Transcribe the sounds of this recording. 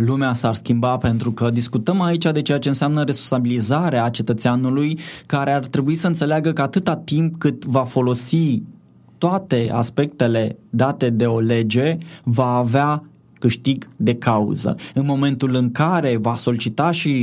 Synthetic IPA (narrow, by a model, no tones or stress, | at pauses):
lumeasarskʲimbape̞nt̪ɾukəd̪iskut̪əmait͡ʃad̪e̞t͡ʃe̞jat͡ʃe̞ɨnseamnəɾe̞sponsabilizaɾeat͡ʃe̞t̪ət̪seanulujkaɾeart̪ɾe̞buisəɨnt̪se̞leaɡəkəat̪ɨt̪at̪imp̚kɨt̪vafo̞lo̞si | t̪oat̪e̞ʔa̰spe̞k̚t̪e̞le̞d̪at̪e̞d̪e̞o̞le̞d͡ʒe̞vaːvea | kɨʃt̪iɡd̪e̞kaṵzə̰ɨnmo̞me̞nt̪ulɨŋkaɾe̞vaso̞lit͡ʃit̪aʃi